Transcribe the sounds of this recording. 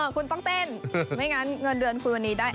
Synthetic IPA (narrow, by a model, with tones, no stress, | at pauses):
kʰu˧nt̪ɔ˥˩ŋt̪e˥˩nma˦˥˩jŋa˦˧˥nŋɤ˧nɾɯ˧ənkʰu˧nwa˧nːiː˦˥daː˥˩j